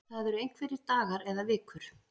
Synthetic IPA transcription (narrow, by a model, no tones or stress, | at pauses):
θaðɛɾʏejn̥kvɛːɾɪɾt̪aːɣaɾɛðavɪːkʏɾ̥